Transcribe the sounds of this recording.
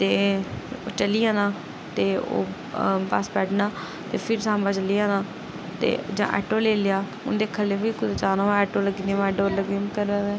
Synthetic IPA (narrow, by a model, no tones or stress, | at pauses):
t̪eːoːt͡ʃəliːãːnãː | t̪eːo̰ː | ba̰spɛːʈnaː | t̪eːpʰɪɾsãːmbaːt͡ʃəliːaːnaː | t̪ḛːd͡ʒã̰ːʔɛ̰ːʈoːleːlejaː | ʊ̰nd̪eːkʰəlːeːʋiːkʊd̪et͡ʃaːnãːɛːʈoːləɡd̪ãmɛːɖoːɾləɡmkəɾɛːɡɛː